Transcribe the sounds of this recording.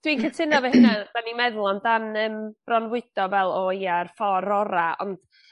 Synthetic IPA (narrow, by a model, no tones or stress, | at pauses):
d̥winkʰətʰɪnavɛhɪnad̥animɛðlˠɔndanəmb̥rɔnwɪd̥ɔvɛlˠɔiarfɔɾɔɾaɔ̰nd̥